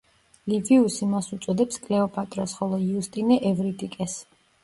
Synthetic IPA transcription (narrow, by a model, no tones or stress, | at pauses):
liviusimasut̪sʼɔd̪ɛpskʼlɛɔpʼat̪ʼɾɔsχɔlˠɔiust̪ʼinɛʔɛvɾit̪ʼikʼɛs